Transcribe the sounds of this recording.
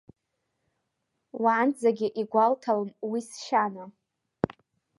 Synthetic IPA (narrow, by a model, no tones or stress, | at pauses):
wand͡zaɡʲɪʔiɡʷaltʰalmwisʃana